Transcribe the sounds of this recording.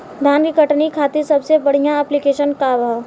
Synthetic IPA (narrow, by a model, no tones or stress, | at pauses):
d̪ʱaːnkikəʈnikʰaːt̪esɐbsebɐɽ̤ijãɛːplikeːʃənkaʋaː